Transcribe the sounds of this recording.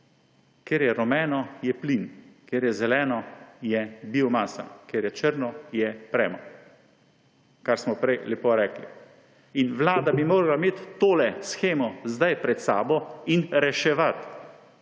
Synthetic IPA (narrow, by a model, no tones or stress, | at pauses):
kjeːɾjɛɾɔmɛːnɔjɛplinkjeːɾjɛzɛlɛːnɔjɛbiɔmaːsa̰kjeːɾjɛt͡ʃəɾnɔjɛpɾɛːmɔ | kaɾsmɔpɾɛjlɛpoɾɛːklḭ | inʋlaːd̪abimoːɾalameːt̪ːoːlɛsxeːmɔzd̪ajpɾɛt̪sa̰ːbɔinɾɛʃɛʋat̪